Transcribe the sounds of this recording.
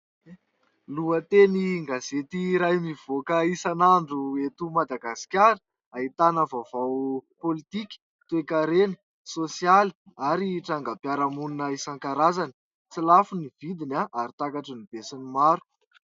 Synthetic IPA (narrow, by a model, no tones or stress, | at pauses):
luət̪eniŋɡazet̪iɾajmiv̥okəisanaɳɖ͡ʐuet̪umad̪aɡasi̥kʲaɾə | ait̪anəvavawpolit̪ikʲi̥ | t̪uekaɾenə̥ | sosijali̥ | aɾiʈ͡ʂaŋɡapjaɾamuninəisaŋkaɾazani̥ | t͡silafuniv̥id̪inaʔaɾit̪akaʈ͡ʂənib̥esinimaɾu̥